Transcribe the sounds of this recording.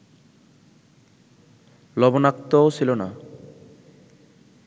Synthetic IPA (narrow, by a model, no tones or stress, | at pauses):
lɔbonakt̪ɔosʰilona